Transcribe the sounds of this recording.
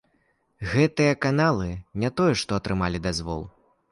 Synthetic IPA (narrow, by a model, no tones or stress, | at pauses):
ɣɛt̪ɨjɐkanalˠɨnʲat̪ɔjɛʂt̪ɔɐt̪ɾɨmalʲid̪azvɔ̰lˠ